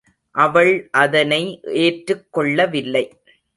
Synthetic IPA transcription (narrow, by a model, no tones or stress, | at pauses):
ʔɐʋɐɭʔɐðɐnɐɪʔeːʈɾɯkːɔɭːɐʋɪlːɐɪ